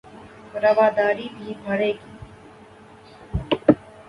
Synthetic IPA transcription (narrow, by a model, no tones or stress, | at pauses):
ɾəʋaːd̪aːɾiːbʱiːbʱəɽeːkiː